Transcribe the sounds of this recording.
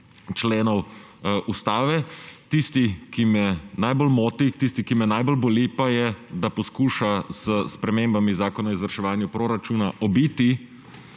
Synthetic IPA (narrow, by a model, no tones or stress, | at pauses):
t͡ʃleːnɔw | ʔust̪aːʋɛt̪ist̪ikimɛnajbolmoːt̪ixt̪ist̪ikimɛnajbolbolipajɛd̪apɔskuːʃaz̥əspɾɛmeːmbamizaːkɔnaizʋɐɾʃɛʋaːnjupɾoːɾat͡ʃuːnaʔɔbiːt̪i